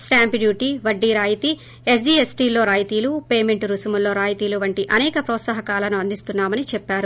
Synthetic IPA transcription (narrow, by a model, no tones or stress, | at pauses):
sʈaːmpɖjuːʈiʋɐɖːiːɾaːjit̪i | esɖiːesʈiːlo̞ːɾaːjt̪iːlupeːme̞ɳʈɾusumulːo̞ːɾaːjt̪iːluʋɐɳʈiʔɐnɛːkɐpɾɔːt̪sɐɦɐkaːlɐnuɐnd̪ist̪unːaːmɐnit͡ʃɛpːaːɾu